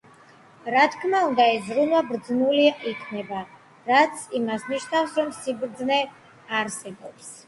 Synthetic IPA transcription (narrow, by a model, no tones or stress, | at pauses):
ɾat̪ʰkʰmaund̪aɛzɾunwabɾd̪znuliaikʰnɛba | ɾat̪sʰimasniʃnafsɾɔmsibɾd̪znɛ | aɾsɛbɔps